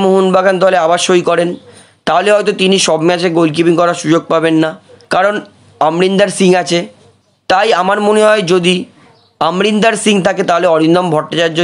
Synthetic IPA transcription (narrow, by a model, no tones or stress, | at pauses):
moɦunbʱaɡand̪ɔleabaʃojkɔɾen | t̪aɦoleɦɔjt̪̬ot̪iniʃɔbmɛt͡ɕʰeɡolk̬ipiŋkɔɾaʃud͡ʑoɡ̚pabenːa | kaɾon | amɾind̪aɾsiŋat͡ɕʰe | t̪ajamaɾmoneɦɔed͡ʑod̪i | amɾind̪aɾsiŋt̪ʰaket̪aɦoleɔɾind̪ombʱɔʈːat͡ɕaɾd͡ʑo